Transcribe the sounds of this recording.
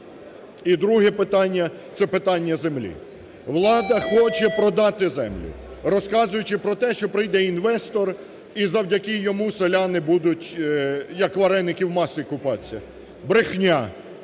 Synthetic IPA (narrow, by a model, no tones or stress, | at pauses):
id̪ɾuɦɛpɪt̪ɑnʲːɐ | t̪sɛpɪt̪ɑnʲːɐzemlʲḭ | ʋlˠɑd̪ɐxɔt͡ʃɛpɾɔd̪ɑt̪ɪzɛ̰mlʲʊ̰ | rɔskɑzʊjʊt͡ʃɪpɾɔt̪ɛʃt͡ʃɔpɾɪjd̪ɛinʋɛst̪ɔr | izɐwdʲɐkɪjɔmuselʲanɪbud̪ʊtʲjɐkʋɐɾɛnːɪkʲiwmɑsɪkʊpɑt͡sʲːɐ | bɾɪxnʲa